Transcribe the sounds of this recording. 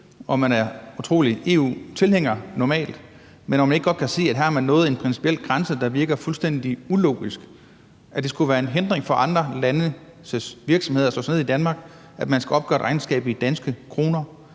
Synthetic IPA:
ʔɒ̽mænæɐut͡sʰʁo̝̰ːlie̝̰ːṵːt͡sʰe̝lheŋ̰ɐnɒmɛ̰ːld̥ | menɒmæne̝ɡ̥ɡ̥ɒ̽d̥kʰæse̝̰ːæd̥ɦæɐɐmænːɔ̽ːð̩ˠe̝npʰʁɛnsi̥pʰiel̰ɡ̥ʁɑ̈nsəd̥ɑ̈ʋiɐɡ̥ɐfulsd̥en̰d̥iulo̝̰ːɡ̥isɡ̥ | ʔæd̥e̝sɡ̥uʋæːɐe̝nɦend̥ʁeŋfɒ̽ʔɑ̈nd̥ʁɐlænə | səsʋiɐɡ̥sɒ̽me̝ð̞̰ˠɐslɔ̰ːsneid̥ænmɑ̈ːɡ̥ | ʔæd̥mænsɡ̥æɒ̽b̥ɡ̥ɶ̰ɐeɾ̥ʔʁɑ̈ɪnsɡ̥ɛ̰ːb̥id̥ænsɡ̥əkʰʁo̝ːnɐ

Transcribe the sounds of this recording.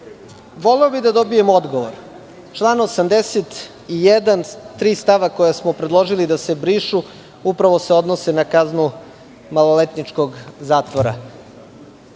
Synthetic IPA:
ʋo̞leobid̪ad̪o̞bijemo̞d̪ɡo̞ʋoɾ | t͡ʃlˠaːnosamd̪eset̪ | ijed̪ant̪ɾiːst̪aʋakojasmopɾed̪lˠo̞ʒilid̪ase̞bɾiːʃu | upɾaʋo̞seo̞d̪nosenakaznu | malolet̪nit͡ʂko̞ɡzaːt̪ʋoɾa̰

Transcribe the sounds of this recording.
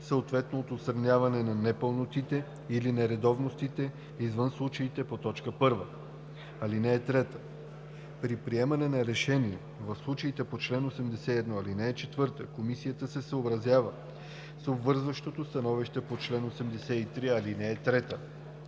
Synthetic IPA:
səot̪vɛt̪noːt̪ot̪st̪ɾɐnʲjavɐnɛnɐnɛpəlˠnot̪it̪ɛ | ilinɛɾɛd̪ɔvnost̪it̪ɛ | izvɤnslˠut͡ʃɐit̪ɛpot̪ɔt͡ʃkəpɤɾvə | ɐlinɛːt̪ɾɛt̪ə̥ | pɾipɾiɛmɐnɛnɐɾɛʃɛniɛ | vɐfslˠut͡ʃɐit̪ɛpot͡ʃlɛnosɛmd̪ɛsɛiɛd̪nɔɐlinɛɛt͡ʃɛt̪vɤɾt̪əkomisijət̪əsɛsəobɾɐzjavə | səobvɤɾzvəʃt̪ot̪ost̪ɐnɔviʃt̪ɛpot͡ʃlɛnosɛmd̪ɛsɛit̪ɾiɐlinɛːt̪ɾɛt̪ə

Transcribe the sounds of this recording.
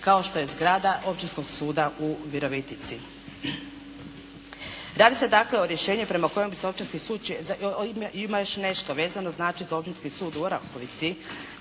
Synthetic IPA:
kao̞ʃt̪o̞je̞zɡɾaːd̪aʔo̞pt͡ʃinsko̞ɡsuːd̪aʔuʋiɾo̞ʋit̪it̪si | ɾaːd̪ised̪akle̞oɾje̞ʃeːɲupɾe̞mako̞jembiseo̞pt͡ʃinskisuːd̪̚t͡ʃzimajoʃne̞ʃt̪oʋe̞ːzanoznaːt͡ʃizao̞p̚t͡ʃinskisuːd̪uoɾakoʋit̪si

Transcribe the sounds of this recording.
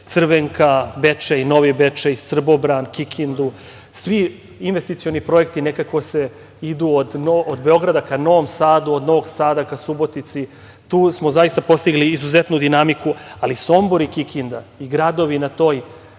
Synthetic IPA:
t̪sr̩ʋeŋkabe̞t͡ʂeino̞ʋibet͡ʂeist̪r̩bo̞bɾankikʰind̪u | sʋi | inʋe̞st̪it̪sio̞nipɾo̞jekt̪ine̞kako̞se | id̪uːod̪nood̪be̞o̞ɡɾad̪akano̞ʋomsaːd̪uod̪no̞ʋoɡsaːd̪akasubo̞t̪it̪si | t̪uːsmo̞zaist̪apo̞st̪iɡliːzuzet̪nud̪inamikualiso̞mbo̞ɾikikʰind̪aiɡɾad̪o̞ʋinat̪o̞ːj

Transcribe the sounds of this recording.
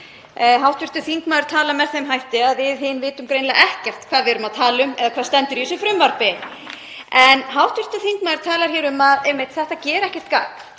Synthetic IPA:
ɦawht̪vɪɾ̥t̪ʏθiŋkmaɾ̥t̪ʰaːlamɛɾ̥θejmɦajht̪ɪaðvɪðɦɪnvɪːt̪ʏmkɾejnlaʔɛhcɛr̥t̪kʰvaːðvɪːɾʏmaðt̪ʰaːlʏmɛðakʰvḁːst̪ɛnt̪ʏɾjisʏfɾʏmvaɾpɪ | ɛnɦawht̪vɪr̥t̪ʏθiŋkmaðɾ̥t̪ʰaːlaɾ̥çɛːɾʏmaðɛmːɪht̪θɛht̪acɛːɾɛhcɛ̥t̪̚kaːk

